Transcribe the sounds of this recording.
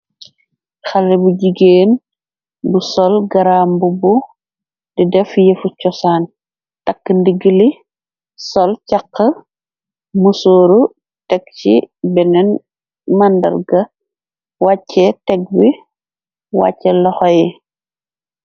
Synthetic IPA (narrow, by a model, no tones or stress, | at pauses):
xɐlːibuɟiɡeːn | busɔlɡɐɾambubu | didɛfjefut͡ʃɔsaːn | tɐkːəndiɡili | sɔlcaqːə | musoːɾu | tɛk̚t͡ʃḭbɛnɛn | mɐndɐ̰ɾɡɐ | wacːɛtɛk̚bi | wa̰cːɛlɔxɔjɛ